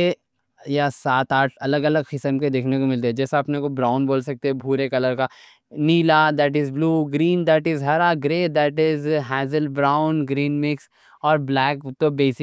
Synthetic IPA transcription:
e | jasaːt̪aːʈʰɐləɡɐləɡxɪsəmked̪eːkʰnekomɪlt̪eɦɛd͡ʒɛːsaɐpnekobɾaːʊ̃nboːlsɐk̚t̪eɦɛ̃bʱuːɾekɐləɾka | niːlad̪ɛːʈɪzbluːɡɾiːnd̪ɛːʈɪzɦɐɾaɡɾeːd̪ɛːʈɪzɦɛːzəlbɾaːʊ̃nɡɾiːnmɪks | ɔːɾblɛːkt̪obeːsɪ

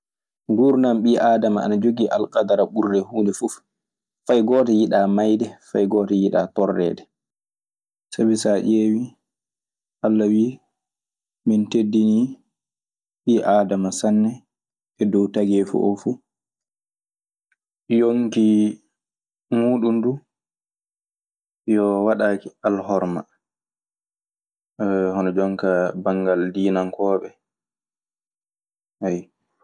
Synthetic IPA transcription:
ɡuɾnamɓiʔaːdamaa̰nad͡ʒoɡiʔalkʼadaɾaɓuɾːɛhuːndɛfuf | fajɡɔːtɛjiɗamajdɛfajɡɔːtɛjiɗa̰tɔrːɛ̰ːdɛ | sabisaʔewi | ʔalːawiː | mintedːini | ɓiːʔaːdamasanːɛ | ʔɛdɔwtaɡɛfṵʔɔfu | joŋki | muːɗundu | jɔwaɗaːkialhɔɾma̰ | hɔnɔd͡ʒɔŋkabaŋɡaldiːnaŋkɔːɓɛ | haj

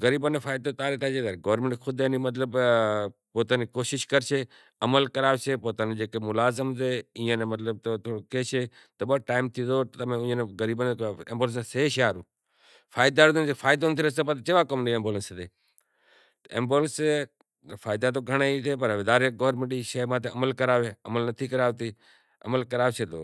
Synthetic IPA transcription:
ɣəɾiːbonefʰaːɪd̪ot̪aːɾet̪ʰat͡ʃeːd̪əɾɡoːəɾmẽɳʈːkʰʊd̪eniːmət̪̬ləb | poːt̪aːnikoːʃɪʃkəɾseː | əməlkəɾaːʋseːpoːt̪aːneːd͡ʒeːkemʊlaːzɪmzeːɪ̃ːə̃nemət̪ləb̚t̪oːt̪ʰoːokeːseː | t̪əɓəʈaːɪmt̪ʰiːd̪oːəmẽʊ̃neɣəɾiːbəneẽmboːlənseseːʃaːɾuː | fʰaːɪd̪aːɾnefʰaːɪd̪ont̪ʰiɾəseːpət̪ːt͡ʃeːʋaːkəmniːẽmboːlənst̪eː | t̪ḛːmboːlənse | faːɪd̪aːt̪oːɡʱəɽ̃eːit̪ʰeːpəɾʋɪd̪aːɾeːɡoːɾməɳʈiːʃəmãːt̪ʰeʔəməlkəɾaːʋeːəməlnət̪ʰiːkəɾaːʋt̪iː | ə̰məlkəɾaːʋsʰeːt̪o̰ː

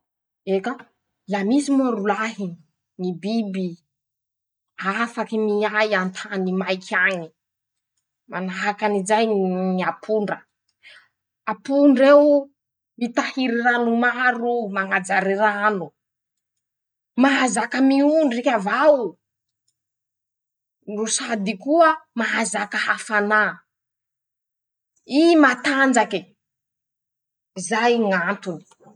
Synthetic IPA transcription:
eka | lamisimoɾulaɦi | nibibi | afakimiajant̪ʰanimajkʰaɲi | manaɦakanizajniapʰuɳɖ͡ʐə | apuɳɖ͡ʐew | mit̪ahiɾiranumaɾumaŋad͡zaɾiranu | maazakəmiuɳɖ͡ʐrekʲavaw | rusad̪ikuəmaazakəhafana | imat̪and͡zaki | zajŋant̪uni̥

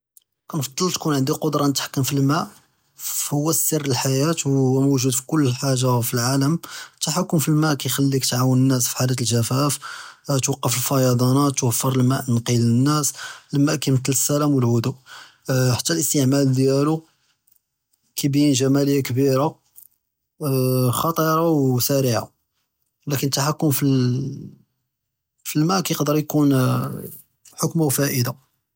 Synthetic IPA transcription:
kænfɑd̪ˤːəlt̪kunʕənd̪iqod̪ɾˤɑnət̪ħḁkːəmfilmæʔ | hʊwːæsːərːəlħajæt̪wːmuʒud̪fi̥kʊlːəħaʒːafilʕaləmt̪ːaħakːʊmfilmæʔkæjxælːikt̪ʕawənənːæsfi̥ħalæt̪̬əlʒæfæft̪wɑqːɑfəlfɑjɑd̪ˤɑnæt̪ːwəfːəɾˤəlmæʔmənqilənːæsləmæʔkæmət̪ləsːælæmwəlhʊd̪uʔ | ħḁt̪ːælʔəst̪əʕmæld̪jælu | kibjinʒæmæləjːakəbiɾa | xɑt̪ˤiɾˤɑwsæɾiʕa̰ | lækənət̪ːaħakːʊmfil | filmæʔkæjəqd̪əɾˤjkun | ħokmawfæʔəd̪a

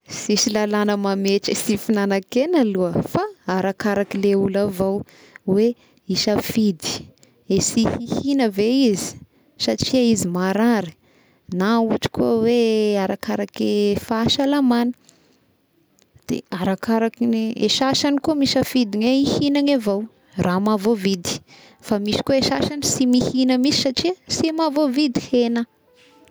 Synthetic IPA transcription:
sisilalanəmameʈ͡ʂəsifinanakenaluəfaaɾakaɾakileulavaw | we | iʃafid̪i̥ | esihihinəveizi̥ | saʈ͡ʂiaizimaɾaɾə | nauaʈ͡ʂi̥kuəweaɾakaɾakefaːʃalamanə̥ | d̪̥ḛaɾakaɾakinḛʃaʃanikumiʃəfid̪iŋeihinaŋavow | rʔamavovid̪i̥ | famisi̥kueʃaʃanisimihinəmisi̥saʈ͡ʂiəsimavovid̪ihenə

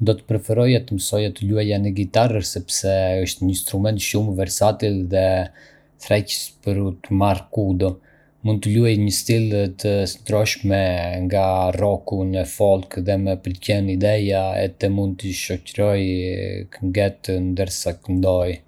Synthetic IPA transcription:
d̪ɔt̪ə̥pɾɛfɛɾɔjɛt̪əməsɔjat̪əluajanɛɡit̪arəsɛpsɛəʃt̪ɲəinst̪ɾumɛnt̪ʃumvɛɾsat̪ilðɛ | θɾɛcə̥spəɾut̪əmarkud̪ɔ | mund̪t̪əluajɲəst̪ilt̪ʰəsnd̪ɾɔʃmɛŋɡarɔkunəfɔlˠkðɛmɛpəlcɛnid̪ɛjaɛ̰t̪ɛmund̪̚t̪əʃɔcəɾɔjkəŋɡɛt̪ənd̪əɾsakənd̪ɔj

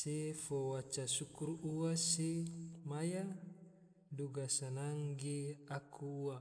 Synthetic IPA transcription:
sefowat͡ʃasukuruasemaja | duɡasanaŋɡeakʰuːa

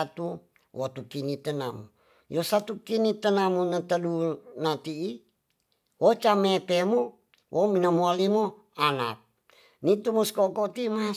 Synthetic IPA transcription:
at̪u | wʔot̪ukinit̪ənamṵ | josat̪ukinit̪ənamunət̪ədunat̪iː | wot͡ʃamepemo | wʔominamualimo | ana̰p̚ | nit̪umoskokot̪ima

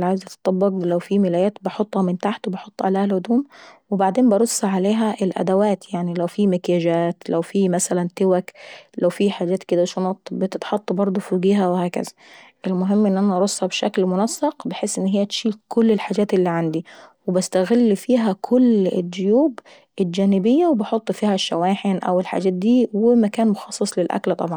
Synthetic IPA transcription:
lʕajɪzʔɑt̪ɑ̥t̪ˤːɑbːɑɡlæwfiːmɪlæjæːt̪bɑħot̪ˤːhɑmɪnt̪aħt̪wbɑħot̪ˤːʕa̰leːhælʔʊd̪uːmwɪbaʕd̪eːmbɑɾˤosːaʕaleːɦæʔɪlʔæ̰d̪æwæːt̪jaʕnilæwfiːmɪkjæd͡ʒæːt̪læwfiːmæsælænt̪ɪwæklæwfiːħaːd͡ʒæːt̪kɪd̪æʃonɑːt̪bɪt̪ɪt̪ħɑt̪ˤːɑbɑɾˤd̪ˤofuːɡiːɦæwɪhæːkæ̰zæ̥ʔɪlmʊɦɪmːʔɪnːʔænæʔɑɾˤosˤːɑbʃa̰klmʊnæsːɑqbɪħesːʔɪnːɦɪjːæt̪ʃiːkʰʊlːɪlħaːd͡ʒæːt̪ɪlːiːʕand̪iwɪbast̪aɣɪlːfiːɦækʰʊlɪ̰dːʊjuːb | ʔɪld͡ʒæːnɪbɪjːawebɑħot̪ˤːfiːhæʃːawaːħɪnʔæ̰wɪlħa̰d͡ʒæːt̪̚d̪iːwɪmakæːnmʊxɑsˤːɑsˤlɪlʔa̰klt̪ˤɑbʕɑnn

